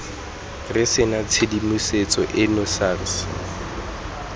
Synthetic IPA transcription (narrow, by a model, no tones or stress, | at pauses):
rɪsɪnat͡sʰɪdimuset͡sʼɔʔɪnʊsaːrs